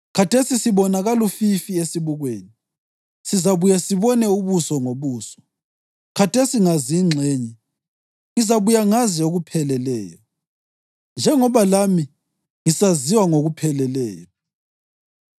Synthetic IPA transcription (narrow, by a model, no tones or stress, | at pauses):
kʰatʰesisiβɔnaɣalufifiesiβuɣwḛːni | sizaβujasiβɔnɛuβusɔŋoβuːsɔ̥ | kʰatʰesiŋaziŋ͡ǀʱeːɲɛ | ŋizaβujaŋazɛoɣupʰɛlɛlɛ̰ːjɔ | nd͡ʒʱɛŋɔβalami | ŋisaziwaŋoɣupʰɛlɛlɛ̰ːjɔ